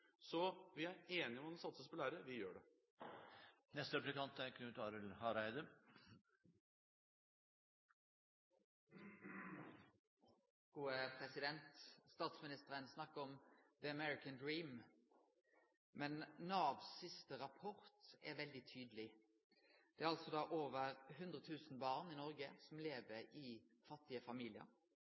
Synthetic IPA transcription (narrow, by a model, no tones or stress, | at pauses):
sɔʋɪæeːnɪɔmɑnɔsɑt̪səspɔlæːɾəʋɪjøːɖɛ | nɛst̪əɾɛplɪkʰɑnt̪æɾkʰnʉːt̪ʰɑɾəlhɑɾæɪd̪ə | ɡ̥uːəpʰʁɛsɪd̪ɛnt̪st̪ɑːt̪smɪnɪst̪əʁənsnɑkːəɔmðəəmɛɹɪkənd̪ɹiːm | mɛnnɑːʋsɪst̪əʁɑpʰɔʁt̪ɛʋɛld̪ɪt̪ʰyːd̪əlɪ | d̪̥ɛæʁɑlsɔd̪ɑːʔoːʋəʁhʉnd̪ʁət̪ʰʉːsn̩bɑːʁniːnɔʁɡəsɔmleːʋəɾiː | fɑt̪ːɪəfɑmiːlɪə̰ʁ